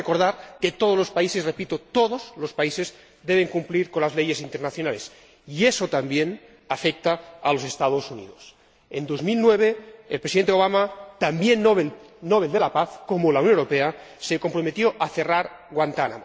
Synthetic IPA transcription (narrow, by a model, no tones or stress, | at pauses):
ekoɾðaɾket̪oð̞o̞zlo̞spaise̞srepit̪ot̪oðozlospaise̞z | d̪eβeŋkumpliɾkonlazleje̞sint̪eɾnaθjonale̞s | iesot̪ambjen | afek̚t̪aːlo̞se̞st̪aðo̞sunḭðos | end̪o̞zmilnweβ̞eːlpɾesiðent̪eo̞β̞amat̪ambjenβe | noβ̞eld̪e̞lapaθko̞molauwnjoeɾopeaseko̞mpɾomet̪joʔaθe̞raɾɣwant̪ana̰m